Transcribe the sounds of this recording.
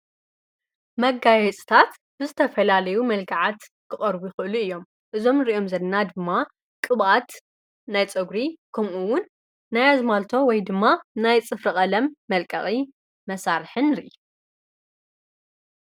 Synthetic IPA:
mɐɡajɛt͡sʼt̪ʰat̪ | bɨzɨt̪ʰɐfɐlalɐjumɐlɡaʕat̪ | kʰɨχʼɐɾbujxɨʔɨluɨjːo̞m | ʔɨzo̞mnɨɾiʔo̞mzɐnnːad̪ɨmːa | kʼɨβʔat̪ | najt͡sʼɨɡɾikʰɐmʔuwʊnː | ajazmalt̪ʰo̞wɔjd̪ɨmːanajt͡sʼɨfɾɨχʼɐlɐmːɐlkʼɐ̰χʼi | mɐsaɾħɨnːɨɾiʔiu

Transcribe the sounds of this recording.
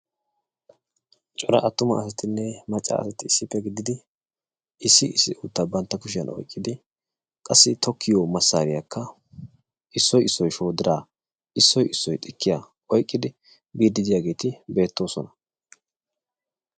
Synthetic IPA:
t͡ʃʼɔɾɐ̰ʔɐt̪ːʊmɐːsɐt̪ɪnːɛmɐt͡ʃʼːa̰ɐ̰sɐt̪ɪɪsːɪpːɛɡɪd̪ɪd̪ɪ | ɪsːɪɪsːɪ̰ʔuːt̪ːabɐnt̪ːɐkʊʃɪjɐnɔ̰jkʼːɪd̪ɪ | kʼɐsːɪt̪ɔkʰːɪjɔmɐsːa̰ːɾɪjakːɐ | ʔɪsːɔjɪsːɔjʃo̞ːd̪ɪɾaː | ʔɪsːɔjʔɪsːɔjt̪ʼɪkʰːɪja | ʔɔjkʼːɪd̪ɪ | biːd̪ːɪd̪ɪjaːɡe̞ːt̪ɪbe̞ːt̪ːo̞ːsɔnɐ

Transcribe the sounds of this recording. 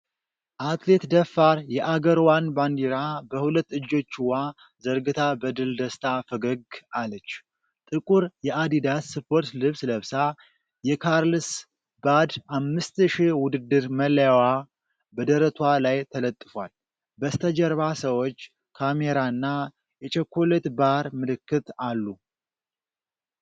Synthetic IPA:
ʔat̪le̞t̪d̪əfːaɾjɛʔaɡəɾwanband̪iɾabəhulət̪ːɨd͡ʒːo̞t͡ʃːwa | zəɾɡɨt̪ʰabəd̪ɨld̪əst̪ʼʰafəɡəɡalət͡ʃː | t̪ʼɨkʼuɾjɛʔad̪id̪asːɨpʰo̞ɾt̪lɨβsləβsa | jɛkʰaɾlɨs | bad̪amːɨst̪ʃiwʊd̪ɨd̪ːɨɾmələjwa | bəd̪əɾət̪ʰwalajt̪ʰələt̪ʼːɨfwal | bəst̪ʰəd͡ʒɛɾβasəwot͡ʃː | kʰameɾaɨnːa | jɛt͡ʃʰʼɛkʰːolet̪baɾmɨlɨkːɨt̪alːu

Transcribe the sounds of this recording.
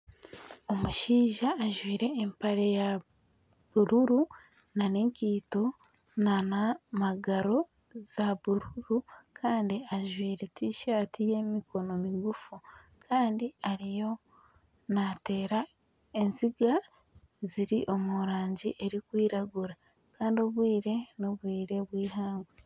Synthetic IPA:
o̞muʃiːʒaːʒwiːɾe̞ːmpaɾeja | βuɾuɾu | nane̞ːŋkiːto̞ | nanamaɡaɾo̞ | z̥aβuɾuɾukʰaːndiaʒwiːɾe̞tʰiʃaːtije̞miko̞no̞miɡufukʰaːndiaɾijo̞ | nate̞ːɾa | e̞nziɡa | ziɾiʔo̞muɾaːɲɟiʔe̞ɾikwiːɾaɡuɾa | kaːndio̞βwiːɾe̞no̞βwiːɾe̞βwiːɦaːŋɡwe

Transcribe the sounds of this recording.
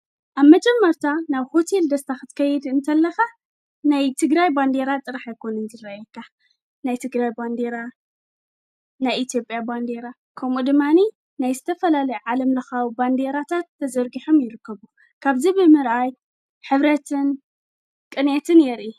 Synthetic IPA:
ʔaβmɐd͡ʒʼɛmːɐɾt̪ʰanaβho̞t̪ʰe̞ld̪ɐst̪ʰaxɨt̪kʰɐjɛd̪ɨnt̪ʰɐlːɐxa | najt̪ʰɨɡɾajband̪e̞ɾat̪ʼɨɾaħajkʰo̞nɨnzɨɾajɛkʰːa | najt̪ʰɨɡɾajband̪e̞ɾa | najit̪ʰjo̞pʼjaband̪e̞ɾa | kʰɐmud̪ɨmːani | najzɨt̪ʰɐfɐlalɐjuʕalɐmlɐxawband̪eɾat̪ʰat̪ːɐzɐɾɡiħomjɪɾɨkːɐβu | kʰaβzibɨmɨɾʔaj | ħɨβɾɐt̪ʰɨn | kʼɨnet̪ʰɨnjɛɾʔi

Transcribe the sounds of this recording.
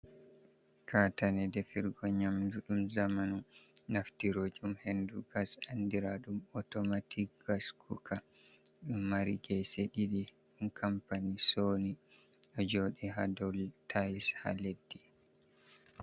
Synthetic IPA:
kʰatanɛdɛfiɾɡɔɲamduɗumzamanunaftiɾod͡ʒumhenduɡasandiɾaɗumɔtɔmatikɡaskʰukʰa | ɗumːaɾiɡɛseɗiɗi | ɗumkʰampanisoni | ɗɔd͡ʒoɗiɦa̰dɔltʰajsha̰ledːi

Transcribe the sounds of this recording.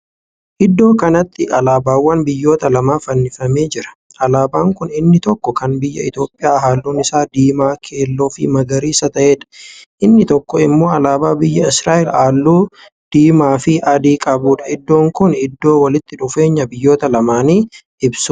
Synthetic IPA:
ʔɪd̪ːo̞ːkɐnɐt̪ːɪɐlaːbaːwːɐnbɪjːo̞ːt̪ɐlɐmaːfɐnːɪfɐme̞ːd͡ʒɪɾɐ̥ | ʔɐlaːbaːŋkʊnɪnːɪt̪ɔkːɔkɐnbɪjːɐ̰ɪ̰t̪o̞ːpʼːɪjaːɦaːlːuːnɪsaːd̪iːmaːkʰe̞ːlːo̞ːfɪ̰mɐɡɐɾiːsɐt̪ɐʔeːᶑɐ̥ʔɪnːɪt̪ɔkːɔɪmːo̞ːɐlaːbaːbɪjːɐɪsɾaːʔɪlaːlːuː | d̪̥iːmaːfɪʔɐd̪iːkʼɐbuːᶑɐ̥ɪd̪ːo̞ːŋkʊnɪd̪ːo̞ːwɐlɪt̪ːɪᶑʊfe̞ːɲːɐbɪjːo̞ːt̪ɐlɐmaːniːʔɪbs

